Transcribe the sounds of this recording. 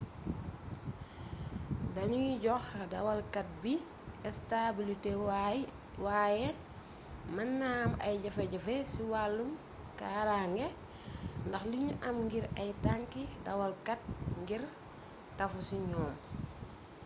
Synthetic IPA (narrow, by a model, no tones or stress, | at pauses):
dɐɲujɟɔxdɐ̰wɐlkɐt̚bi | ɛstabilite | wajɛ | mɐnːamɐ̰jɟɐfɛɟɐfɛsiwalːum | kaːɾaŋɡɛ | ndɐxliɲuʔɐmŋɡiɾɐjtaŋkidɐwɐlkɐt̚ŋɡiɾ | tɐfusiɲɔːm